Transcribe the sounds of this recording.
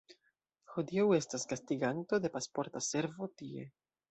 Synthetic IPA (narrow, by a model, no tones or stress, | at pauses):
xodiawe̞staskastiɡanto̞de̞paspo̞ɾtase̞ɾvo̞tie̞̰